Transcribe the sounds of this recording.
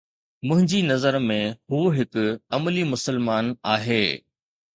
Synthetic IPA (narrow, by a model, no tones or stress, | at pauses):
mʊ̃ɦɪ̃ɲd͡ʑinɐzəɾmẽɦuːɦɪkʊ̆ɐməlimʊsəlmaːnaːɦeː